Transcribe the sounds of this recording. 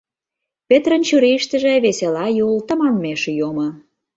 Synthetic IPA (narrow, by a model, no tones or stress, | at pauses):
pʲet̪rə̆nt͡ɕyɾiʃt̪ə̆ʒĕβeselɑjult̪ə̆mɑmmeʃjomə̆